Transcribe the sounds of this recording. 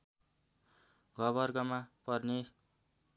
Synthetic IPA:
ɡʱʌβʌrɡʌmapʌrne

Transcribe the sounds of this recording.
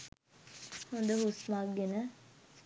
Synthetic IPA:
hond̪əɦusmaɡːenə

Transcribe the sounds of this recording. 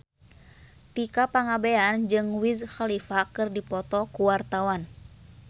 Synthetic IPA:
t̪ikapaŋabɛand͡ʒɨŋwizxalifakɨrdipɔt̪ɔkuwart̪awan

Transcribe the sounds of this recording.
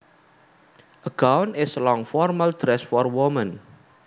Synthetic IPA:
ʔəɡãwnɪslɔ̃ŋfɔrməldɾɛsfɔrwumə̃n

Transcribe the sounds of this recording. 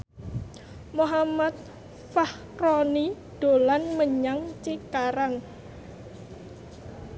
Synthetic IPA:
moɦamat̪̚ | fah | rɔni | ɖ̪̥o̤lanməɲaŋt͡ʃikaɾaŋ

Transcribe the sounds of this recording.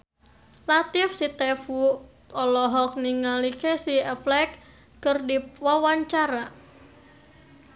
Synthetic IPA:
lat̪ɪfsit̪ɛfu | ɔlɔɦɔk̚niŋalikesiɛflɛkː | ərdipwawaɲt͡ʃaɾa

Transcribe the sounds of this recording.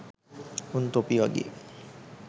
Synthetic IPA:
unt̪opiaɡḛ

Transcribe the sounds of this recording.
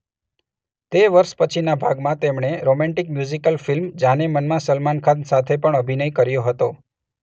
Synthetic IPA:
t̪eʋəɾʃpət͡ʃʰinabʱaɡmãt̪emɳeɾomɛ̃ɳʈik̚mjuzikəlfilmd͡ʒãnemənmãsəlmankʰãnsat̪ʰepəɳəbʱinəjkəɾjoɦət̪o

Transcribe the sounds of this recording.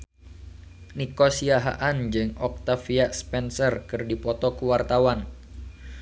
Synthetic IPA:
nikɔsiaɦa̰ʔand͡ʒɨŋɔk̚t̪afiaʔspɛnsərkɨrdipɔt̪ɔkuwart̪awan

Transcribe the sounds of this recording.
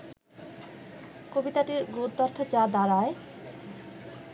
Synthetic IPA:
kobit̪aʈiɾɡod̪ɔɾt̪ʰod͡ʑad̪aɾae

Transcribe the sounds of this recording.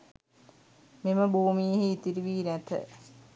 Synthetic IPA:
meməbuːmijeɦiːt̪iɾiʋiːnæt̪ə̰

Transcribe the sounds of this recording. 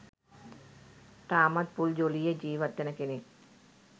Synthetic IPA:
t̪aːmɐd̪̚puld͡ʒolijed͡ʒiːʋɐt̪ːɐnɐkenek

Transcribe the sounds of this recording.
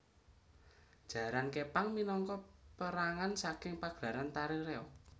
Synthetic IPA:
d̥ʒ̥a̤ɾankepaŋminɔŋkɔpəɾaŋansakɪŋpaɡ̥ɾa̤ɾant̪aɾiɾeɔk̚

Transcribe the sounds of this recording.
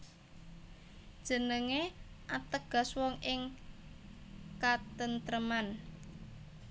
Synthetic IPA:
d̥ʒ̥ə̤nəŋe | ʔat̪əɡ̥a̤swɔŋɪŋ | kat̪ənt̪ɾəman

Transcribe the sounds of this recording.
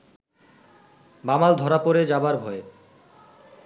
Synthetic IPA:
bamald̪ʱɔɾapoɾed͡ʑabaɾbʱɔe

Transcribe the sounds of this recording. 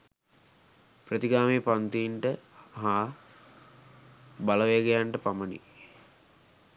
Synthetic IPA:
pɾət̪iɡaːmeːpant̪iːɳʈəɦaː | baləʋejəɡejaɳʈəpamənḭ

